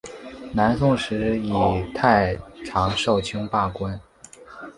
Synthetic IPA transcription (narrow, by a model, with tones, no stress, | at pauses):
na˧˥nsʊ˥˧ŋʂɻ̩˧˥i˨˩t̪ʰa˥˩ɪʈ͡ʂʰɑ˧˥ŋʂo˥˩ʊt͡ɕʰy˥ŋpa˥˩kwa˥n